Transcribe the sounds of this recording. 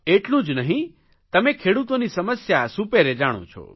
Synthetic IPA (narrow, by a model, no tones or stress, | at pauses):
eːʈlũd͡ʒnɐɦĩ | t̪ɐmẽkʰeːɽut̪õnisɐməsjasupeɾed͡ʒaːɽ̃õ̰t͡ʃʰo̰ː